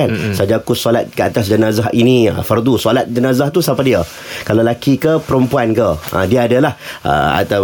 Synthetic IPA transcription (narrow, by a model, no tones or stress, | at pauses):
ansad͡ʒakusolat̪̚kəat̪as̬d͡ʒənazaɦʔinĩə̰fərd̪usolat̪̚d͡ʒənazaht̪usapadiə | kalalakikəpəɾəmpuankəə̰diaːdalahə̰a̰t̪a